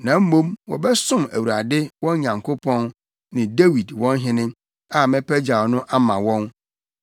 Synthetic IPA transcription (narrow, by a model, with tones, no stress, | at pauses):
nã˨m̩˦mõ˦mwɔ̰˨bɛ˦sʊ̃˦mæ̰˨wu˨ɾa˨dɪ˦wɔ̃˦n˦ɲã˨ŋkʰo˦pʰɔ̃˦n | nɪ̃˨de˦wi˨dwɔ̃˦nɦɪ̃˦nɪ̃˦ | a˨mɛ̃˦pʰæ˦d͡ʑa˨wnʊ̃˦ʔa˦mã˨wɔ̃˦n